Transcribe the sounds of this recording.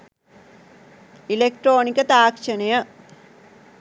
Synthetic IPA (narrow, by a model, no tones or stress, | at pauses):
ilek̚ʈroːnikɐt̪aːkʂɐnɐjɐ